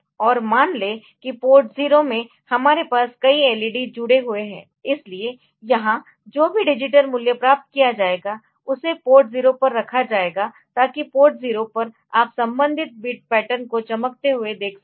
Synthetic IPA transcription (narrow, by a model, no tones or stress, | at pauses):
ɔːɾmaːnleː | kipoːɾʈziːɾomẽ | hɐmaːɾepaːskɐiɛːliɖid͡ʒʊɽeɦʊeɦɛ̃ː | ɪslie | jɐɦã | d͡ʒoːbʱiɖɪd͡ʒɪʈ̬əɾmʊljəpɾaːp̚t̪̚kijad͡ʒaːeːɡa | ʊsepoːɾʈziːɾopɐɾːɐkʰad͡ʒaːeːɡa | t̪aːkipoːɾʈziːɾopɐɾ | aːpsɐ̃mbə̃nd̪ʱɪt̪̚biːʈ̚pɛːʈəɾnkot͡ʃɐmək̚t̪eɦʊed̪eːkʰ